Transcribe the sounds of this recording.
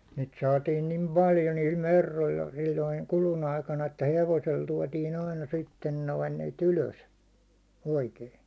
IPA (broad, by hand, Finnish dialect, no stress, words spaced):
niːt sɑːtiːn nim pɑljo niːl merːolːɑ silʲːoiŋ kulun ɑikɑnɑ etːæ heʋosel tuɒtiːn ɑinɑ sitːen noin niːt yløs oikei